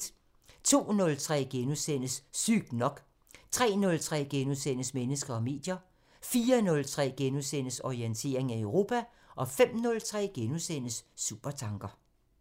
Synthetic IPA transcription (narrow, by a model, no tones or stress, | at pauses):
t͡sʰo̝̰ːnɔ̽lt͡sʰʁɛ̰ːɡ̥enusen̰əsːyɡ̥nɒ̽ɡ̥ | t͡sʰʁɛ̰ːnɔ̽lt͡sʰʁɛ̰ːɡ̥enusenəsmenəsɡ̥ɐɒ̽me̝̰ːd̥jɐ | fiːɐnɔ̽lt͡sʰʁɛ̰ːɡ̥enusen̰əsɒient͡sʰe̝̰ːɐ̰e̝ŋæøʊʁo̝ːpʰæ | ʔɒ̽fem̰nɔ̽lt͡sʰʁɛ̰ːɡ̥enusen̰əsːṵb̥ɐt͡sʰɑ̈ŋɡ̥ɐ